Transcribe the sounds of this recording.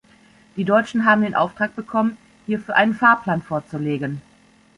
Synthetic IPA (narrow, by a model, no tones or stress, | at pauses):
d̥iːdɔʏt͡ʃn̩ɦaːbm̩deːnʔa̰ʊftʁ̥aːk̚b̥əkʰɔmən | hiːɐfyːɐʔaɪnənfaːɐplaːnfoːɐt͡suleːɡən